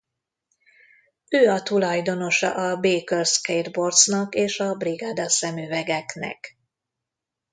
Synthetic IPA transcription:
øːɒt̪ulɒjd̪o̞no̞ʃɒ̰ʔɒbeːkørskejd̪bo̞rt̪snɒkeːʃɒbriɡad̪ɒsɛmyvɛɡɛknɛ̰k

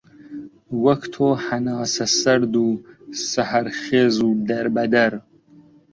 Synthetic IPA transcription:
wɐkt̪ʰoːħanɑːsɐsɐɾd̪uːsahɐɾχeːzuːd̪ɐɾbɐd̪ɐɾ

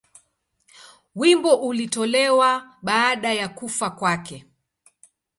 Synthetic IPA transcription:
wimbɔʔulitɔlɛwaɓaːɗajakufakwakɛ

